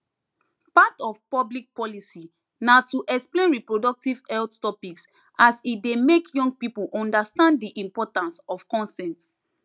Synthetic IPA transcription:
patɔfpɔblik̚pɔlisi | natuʔɛksplẽnɹipɹodɔk̚tivɛlttɔpiks | asit̚demekʰjɔ̃ŋɡ̚pipulʔɔ̃ndastãnddiʔĩmpɔtãnsɔvkɔ̃nsɛ̃nt

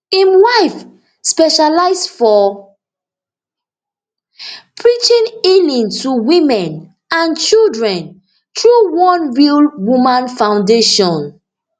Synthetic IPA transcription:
ĩmwaɪf | spɛʃalaɪsfɔ | pʰɹit͡ʃĩnilĩntʰuwĩmɛ̃n | ãnt͡ʃildɹɛ̃n | tɹuwɔ̃nɹilwumãnfãʊ̃ndeʃɔ̃n

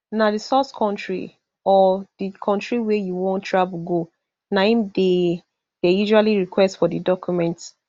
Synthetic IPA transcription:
nadisɔskʰɔ̃ntʰɹḭ | ɔdikʰɔ̃ntɹiwɛjuwɔ̃ntʰːɹabɡo | nãɪ̃nde | d̥ɛjuʒualiɹikʰwɛstfɔdədɔkjumɛ̃nt

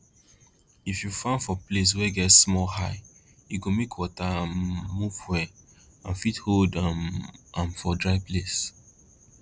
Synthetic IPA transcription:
ifjufãnfɔples̬wɛɡɛtsmɔhaɪ | juɡomekʰwɔtaãnmuvwɛ | ãnfitholda | ãnfɔdɹaɪples

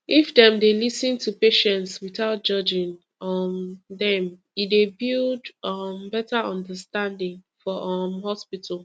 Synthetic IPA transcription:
ʔifdɛ̃mdelisɨ̃ntʰupeʃɛ̃ntswiθaʊt̚d͡ʒ̥ʌd͡ʒɪ̃ŋ | ʌmdɛ̃m | idebildʌmbɛtəɔ̃ndəstãndɪ̃ŋfɔʔʌmhɔspitʰəl̩ˠ

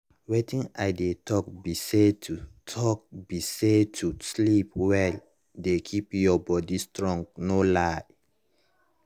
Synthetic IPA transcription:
wetĩnajdetʰɔk̚bisetutʰɔk̚bisetʰuslip̚wɛl | dekʰipjɔbɔdistɹɔ̃ŋɡnolaj

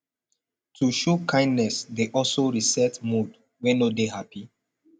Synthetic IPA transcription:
tʰuʃokʰãɪ̃ndnɛsdeʔɔlsoɹisɛtmud | wɛ̃nodehapi

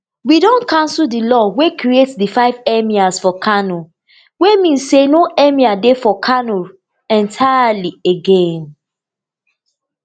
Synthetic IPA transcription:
widɔ̃nkãns̩dilɔwekɾietdifaɪvɛmiasfɔkʰano | wemĩnsːenoʔɛmiadefɔkʰano | ɛ̃ntʰajalieɡẽn

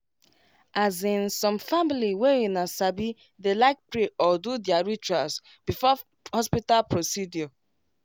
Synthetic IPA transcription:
azĩnsɔ̃mfamiliweĩnasabi | delaɪk̚pɾeʔɔdudjaɹit͡ʃuas | bifɔ | hɔspitalpɹosidjɔ

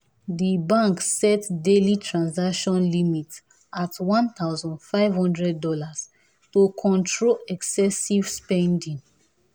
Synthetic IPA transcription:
dibãŋksɛtdelitʰɹãnzakʃɔ̃nlimit | ʔatwɔ̃nt̪aʊzɔ̃ndfaɪvhɔ̃ndɹɛdːɔlas | tokʰɔ̃ntʰɹoɛksɛsiv̥spɛ̃ndĩŋ

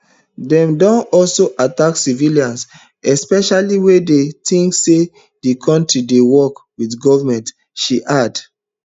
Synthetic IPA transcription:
dɛ̃mdɔ̃nɔlsoʔataksiviliãns | ɛspɛʃaliwedetĩŋkse | dikʰɔ̃ntɹidewɔkwidɡɔvamɛ̃nt | ʃiʔad

